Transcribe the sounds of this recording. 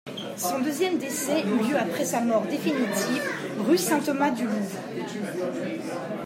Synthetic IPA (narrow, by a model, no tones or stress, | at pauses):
ssɔ̃d̪øzjɛmd̪esɛyljøapχɛsamɔʁd̪efinit̪ʰivʁysɛ̃t̪ɔmad̪yluvʁ